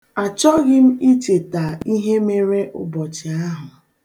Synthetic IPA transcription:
a˨t͡ʃɔ˦ɣɪ˦m̩˦i˦t͡ʃe˨ta˨i˦ɦe˦me˦ɾe˦ʔʊ̰˨bɔ˨t͡ʃɪ˨a˦ɦʊ˨

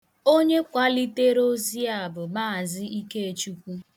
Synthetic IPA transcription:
o˦ɲe˦kʷa˦li˦te˦ɾo˦zi˦a˨bʊ˨maː˦a˨zɪ˦i˦ke˦e˨t͡ʃu˦kʷu˦

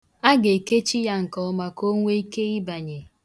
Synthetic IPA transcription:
a˦ɡe˨ke˦t͡ʃi˦ja˦ŋ̩˨kɔ˨ɔ˦ma˨ko˦ŋʷe˦i˦ke˦i˦ba˨ɲe˨

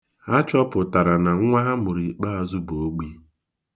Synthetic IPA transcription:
a˦t͡ʃɔ˦pʊ˨ta˨ɾa˨na˨ŋ̩˦ŋʷa˦ɦa˦mʊ˨ɾi˨k͡pa˦a˨zu˦bo˨o˦ɡ͡bi˦

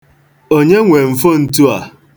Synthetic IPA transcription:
o˦ɲe˦ŋʷe˨m̩˨fo˦n̩˦tu˦a̰˨

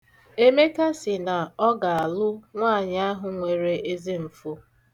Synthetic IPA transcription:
e˦me˦ka˦sɪ˨na˨ɔ˦ɡa˨a˨lʊ˦ŋʷa˦˨ɲa˦ɦʊ˨ŋʷe˨ɾe˨e˦zi˦m̩˨fu˦

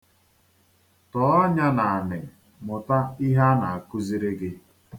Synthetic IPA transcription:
tɔ˨˦ɔ˦ɲa˦na˨a˨nɪ˨ | mʊ˨ta˦i˦ɦa˦na˨a˨ku˦zi˦ɾe˦ɡɪ˦

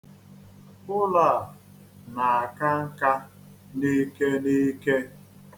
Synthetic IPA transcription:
ʊ˦la˨ | na˨a˨ka˦ŋ̩˦ka˦ | ni˦ke˦ni˦ke˦

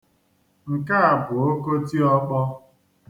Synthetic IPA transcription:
ŋ̩˨ka˦a˨bʊ˨o˦ko˦ti˦ɔ˦bɔ˦

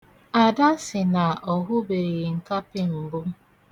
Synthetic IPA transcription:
a˨da˦sɪ˨na˨ɔ˨ɦʊ˦be˨ɾɪ˨ŋ̩˨ka˦pɪ˦m̩˨bʊ˦

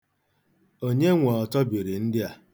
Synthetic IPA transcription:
o˦ɲe˦ŋʷa˨ɔ˨tɔ˦bi˨ɾi˨n̩˦dɪ˦a˨

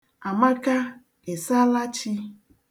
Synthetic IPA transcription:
a˨ma˦ka˦ | e˨sa˦la˦t͡ʃi˦

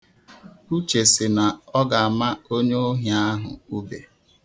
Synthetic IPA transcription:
u˦t͡ʃe˨sɪ˨na˨ɔ˦ɡa˨a˨ma˦o˦ɲe˦o˦ɦja˦ɦʊ̰˨u˦bḛ˨

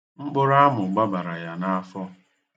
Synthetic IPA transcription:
ŋ͡m̩˦k͡pʊ˦ɾa˦a˦mʊ˨ɡ͡ba˦ba˨ɾa˨ja˨na˦a˦fɔ˦

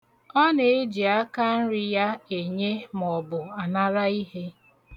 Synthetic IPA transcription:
ɔ˦ne˨e˦d͡ʒi˨a˦ka˦n̩˦ɾɪ˦ja˦e˨ɲe˦m˨ɔ˨bʊ˨a˨na˦ɾa˦i˦ɦe˦

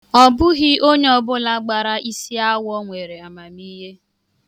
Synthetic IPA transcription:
ɔ˨bʊ˦ɣɪ˦o˦ɲe˦ɔ˨bʊ˦la˦ɡ͡ba˨ɾa˦ʔi˦si˦a˦wɔ˦ŋʷe˨ɾe˨a˨ma˨miː˦ɦe˦

